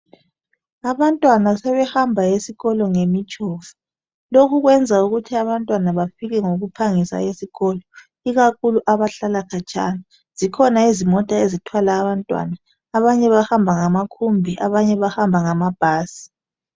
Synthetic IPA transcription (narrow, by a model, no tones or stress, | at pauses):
aβantʼwanasɛβɛhambʱaesiɣɔlɔŋemit͡ʃʼɔːfu̥ | lokʰuɣwɛnd͡zʱauɣutʰiaβantʼwanaβafiɣɛŋoɣupʰaŋisa̰esiɣɔːlɔ | iɣakʰuluʔaβaɬalakʰat͡ʃʼa̰na | z̥ikʰɔnaizimɔtʼaezitʰwalaːβantʼwa̰naː | βaɲɛβahambʱaŋamakʰumbʱiʔaβaɲɛβahambʱaŋamab̥ʱaːsi̥